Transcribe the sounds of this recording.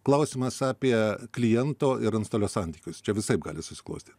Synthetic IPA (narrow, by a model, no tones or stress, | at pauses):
klˠɐʊsʲiːmɐsɑːpʲiɛklʲɪjɛnt̪oːʔɪɾɐnst̪oːlʲoːsɑnʲt̪ʲiːkʲʊst͡ʃʲɛʋʲɪsɐɪp̚ɡɑːlʲɪsʊsʲɪ̥klˠɐ̰ʊsʲt̪ʲiːt̪ʲ